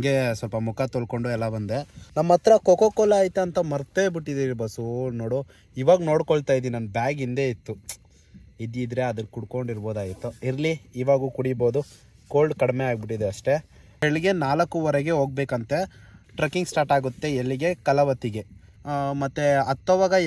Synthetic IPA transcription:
ɐŋɡesɐlpɐmukʰɐt̪olko̞ɳɖuɛlːɐbɐnd̪enɐmːɐt̪ɾɐkokokɔlaːjit̪ːuɐnt̪ɐmɐɾt̪ebiʈːid̪iɾiɾbɐsuno̞ːɽu | iːʋaːɡno̞ːɽkoɭt̪aːjd̪inɐnbjaːɡind̪eːit̪ːu | id̪id̪ɾe̞ɐd̪ɐkuɽko̞ɳɖiɾbo̞ːd̪aːjit̪ːuiɾliiːʋaːɡukuɽiboːd̪u | koːlɖkɐɽmeaːɡbiʈːid̪eɐʂʈe̞ | eɭiɡe̞naːlɐkːuʋɐɾɛɡe̞ɦo̞ːɡ̚beːkɐnt̪e̞ʈɾɐkːiŋɡsʈaːɾʈaːɡut̪ːe̞ːlːiɡe̞kɐlɐʋɐt̪ːiɡe̞ | mɐt̪ːeɐt̪ːɔʋaːɡɐ

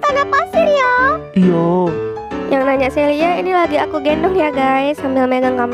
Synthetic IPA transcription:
t̪anapasɪrjaija | jʔaŋnaɲaʔseliainilaɡiakuɡendɔŋjaɡajsambɪlmeɡankama

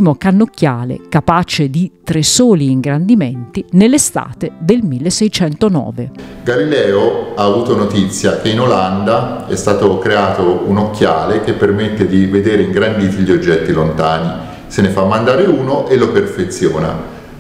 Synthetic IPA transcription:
imokanːokːjaːlḛkapat͡ʃed̪it̪ɾesoːliːŋɡɾand̪iment̪inelːest̪a̰ːt̪ed̪elmilːesɛjt͡ʃɛnt̪onɔ̰ːveɡalilɛːoaːvuːt̪onot̪it̪sːjakeinoland̪aɛst̪aːt̪okɾeaːt̪ounokːjaːlek̟epːermet̪ːed̪ived̪eːɾeiŋɡɾand̪iːt̪iʎːiod͡ʒːɛt̪ːilont̪aːni | senefamːand̪aːɾeuːnoʔeloperfet̪sːjoːna̰

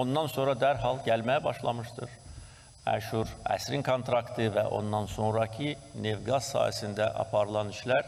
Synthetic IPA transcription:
o̞nd̪ɑnso̞nɾɑd̪æɾɦɑlˠɟælmæjæbɑʃlˠɑmɯʃt̪ɯɾ | æ̰ʃuɾæ̰sɾinkʰont̪ʰɾɑkt̪ʰɯvæ̰ʔo̞̰nd̪ɑnso̞ŋɾɑcʰine̞vɡɑz̥sɑ̰ːjæ̰sind̪æʔɑ̰pʰɑɾɯlˠɑniʃlæɾ

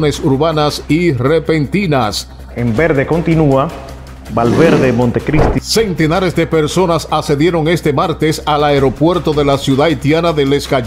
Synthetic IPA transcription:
nesuɾβanasire̞pent̪inas | embeɾðe̞ko̞nt̪inua | balβeɾðemont̪ekɾist̪se̞nt̪e̞naɾe̞zðe̞peɾso̞nasase̞ðje̞ɾo̞ŋe̞st̪e̞maɾt̪e̞salaeɾo̞pwe̞ɾt̪o̞ðe̞lasjuðait̪janaðele̞ska

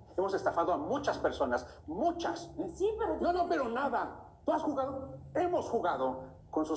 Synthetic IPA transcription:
e̞mo̞se̞st̪afaðoamut͡ʃaspeɾso̞nas | mut͡ʃassinono̞pe̞ɾo̞naða | t̪uasxuɣaðoemo̞sxuɣaðo̞ | ko̞nsu

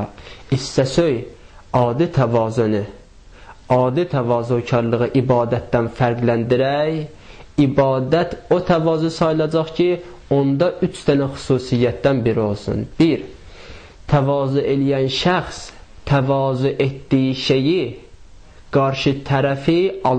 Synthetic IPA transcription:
isːæsøj | ɑːd̪it̪ʰævɑːzoni | ɑːd̪it̪ʰævɑːzocʰɑɾlˠɯʁɯʔibɑːd̪æt̪̚d̪ænfæɾɡlænd̪iɾæj | ibɑːd̪æt̪ʰot̪ʰævɑːzusɑjlˠɑd͡ʒɑχcʰi | ond̪ɑʔyt͡ʃʰt̪ʰænæχu̥suːsijːæt̪̚d̪ænbiɾio̞lˠsṵnb̥iɾ | t̪ʰævɑːzuʔe̞lijænʃæχs | t̪ʰævɑːzuʔet̪d̪ijiʃe̞ji | ɡ̥ɑɾʃit̪ʰæɾæfiɑ

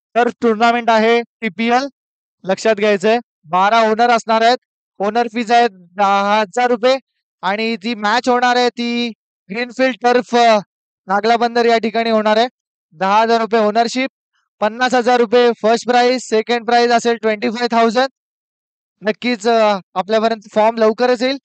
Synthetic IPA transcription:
t̪əɾfʈuɾnameɳʈaɦeʈipielː | əkʂat̪ɡʱajt͡sə | baɾaonəɾəsɳaɾaɦet̪̚ | onəɾfiːd͡zaet̪̚ | d̪əɦəd͡zaɾːup̬je | aɽ̃it̪iːmæt͡ɕɦoɽ̃aɾajt̪iː | ɡɾiːnfiːlɖ̚t̪əɾf | nãɡlabənd̪əɾjaʈikaɽ̃iːɦoɽ̃aɾaj | d̪əɦaɦəd͡zaɾːup̬jeonəɾɕiːp̚ː | pːənːasɦəd͡zaɾːupefəɾsʈpɾaizsekəɳɖ̚pɾajzəselʈʋeɳʈiːfajʋt̪ʰawd͡zəɳɖ | nəkːiːt͡sapljapəɾjənt̪əfɔɾmləʋkəɾət͡seiːl

